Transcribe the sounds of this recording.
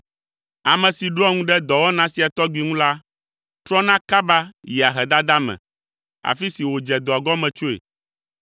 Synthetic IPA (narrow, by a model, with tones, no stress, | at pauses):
a˨mɛ̃˨si˨ɖɾɔ˦ŋũ˦ɖɛ˦d̪ɔ˨wɔ˦nã˨˦si˨˦a˨t̪ɔ˦ɡ͡bi˨ŋũ˦la˦ | t̪ɾɔ˦nã˦ka˦ba˦ji˨a˨ɦɛ˨d̪a˦d̪a˦mɛ̰̃˨ | a̰˨fi˦si˨wo˨d͡ʒɛ˨d̪ɔ˨a˨ɡɔ˦mɛ̃˨t͡ʃo˦ḛ˨